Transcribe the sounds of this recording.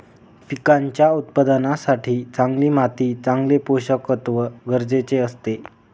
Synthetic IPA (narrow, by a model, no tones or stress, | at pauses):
fikaɲt͡ɕjaut̪̚pəd̪nasaʈʰiːt͡saŋɡliːmat̪iːt͡sãŋɡlepoɕəkət̪ʋəɡəɾd͡zet͡seəst̪e